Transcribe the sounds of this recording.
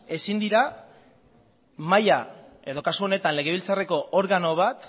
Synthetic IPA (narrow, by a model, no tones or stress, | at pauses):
e̞sind̪iɾa | maja | e̞ð̞o̞kasuo̞ne̞t̪anle̞ɣ̞e̞βilt͡sare̞ko̞ʔoɾɣano̞β̞at̪